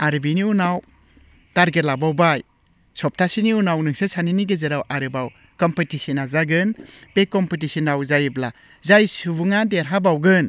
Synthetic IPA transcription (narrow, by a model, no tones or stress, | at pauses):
aɾɯbiniunaw | taɾɡeɾlabawbaj | sɔp̚tʰasiniunawnɯŋsɯsaniniɡezeɾawʔaɾɯbaw | kɔmpetisinazaɡɯnpekɔmpitisinawzajɯbla | zajsubuŋandeɾɦabawɡɯn